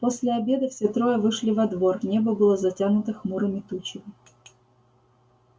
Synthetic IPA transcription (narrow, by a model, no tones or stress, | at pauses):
po̞sʲlʲɪɐbʲe̞d̪əfsʲet̪ɾo̞jəvɨʂlʲɪvɐd̪vo̞rnʲebəbɨlˠəzɐtʲanʊt̪ɨxmuɾɨmʲɪt̪ut͡ɕɪmʲɪ